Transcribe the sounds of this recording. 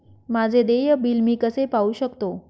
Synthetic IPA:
mad͡zʱed̪ejəbilmiːkəsepauɕəkt̪o

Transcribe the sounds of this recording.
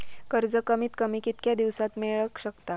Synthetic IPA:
kəɾd͡zəkəmiːt̪kəmiːkit̪kjad̪iʋsat̪meɭəkɕəkt̪a

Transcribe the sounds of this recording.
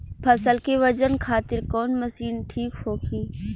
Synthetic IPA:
pʰɐsəlkeʋəd͡ʒənkʰaːt̪ɪɾkɔːnmɐsiːnʈʰiːkhoːkʰiː

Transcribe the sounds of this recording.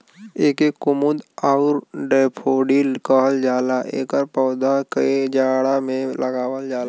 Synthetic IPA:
eːkekːʊmʊd̪aʊɾɖeːpʰoːɖilkəɦəld͡ʒaːlaʔeːkəɾpɔːd̪akəed͡ʒaːɽamẽləɡaːwəld͡ʒaːla

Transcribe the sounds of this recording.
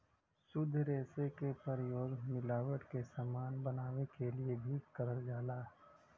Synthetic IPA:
sʊd̪ʱːɾeːsekepəɾjoːɡmɪlaːʋəʈkesamaːnbɐnaːʋekeliebʱikɐɾəld͡ʒaːlaː

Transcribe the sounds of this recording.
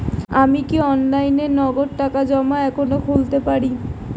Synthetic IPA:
amikiɔnlajnenɔɡoɽʈakad͡ʑɔmaɛkʰonokʰult̪epaɾi

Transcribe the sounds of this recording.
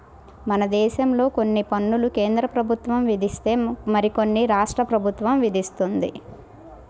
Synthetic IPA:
mɐnɐd̪ɛːʃɐmlo̞ːko̞nːipɐnːuluke̞ːnd̪ɾɐpɾɐbʱut̪ʋɐmʋid̪ʱist̪eːmɐɾiko̞nːiɾaːʂʈɾɐpɾɐbʱut̪ʋɐmʋid̪ʱist̪und̪ḭ

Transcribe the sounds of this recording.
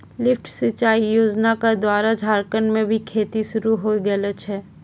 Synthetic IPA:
lɪfʰʈsət͡ʃaːijoːd͡ʒnakad̪waːɾad͡ʒʱaːɾkənmẽbʱikʰeːt̪iʃʊɾuɦoːiɡələt͡ʃɦɛː

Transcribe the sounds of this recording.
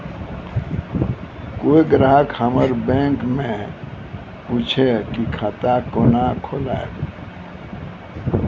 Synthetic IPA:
koiɡɾaɦkəməɾbẽŋkmẽ | put͡ʃʰekikʰat̪akonakʰola̰e

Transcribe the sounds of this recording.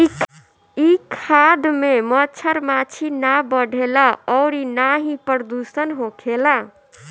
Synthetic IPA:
i | ikʰad̪memət͡ʃʰəɾmat͡ʃʰinabəɖʱelaɔʊɾinaɦipəɾd̪usənɦokʰela

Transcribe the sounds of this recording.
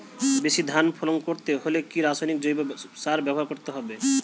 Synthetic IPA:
beʃid̪ʱanpʰoloŋkoɾt̪eɦolekiɾasajnikd͡ʑojbosaɾbɛboɦaɾkoɾt̪eɦɔbe

